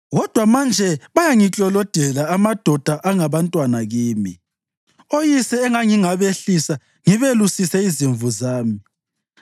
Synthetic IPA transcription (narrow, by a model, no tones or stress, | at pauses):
ɣɔd̥ʱwamand͡ʒʱɛβajaŋit͡ɬʼɔlɔd̥ʱɛlaːmad̥ʱɔd̥ʱaʔaŋaβantʼwanaɣiːmḭ | ojisɛːŋaŋiŋaβeɬisa | ŋiβelusisɛiziɱvuzaːmi